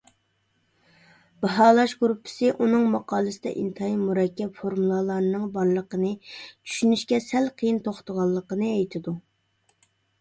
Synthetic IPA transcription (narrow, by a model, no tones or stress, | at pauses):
bɑɦɑːlˠɑʃɡɾupʰːɪ̥sɨʔunɨŋmɑqɑːlˠɨsɨd̪ɛ̰ʔint̪ʰɑimuɾɛkʲːɛpfoɾmulˠɑlˠɑɾnɨŋbɑɾlˠəqənɨt͡ʃʰy̥ʃynyʃkʲɛsɛlqʰəjint̪ʰoχt̪ʰəʁɑlˠːəqənɨɛjt̪ʰɪd̪u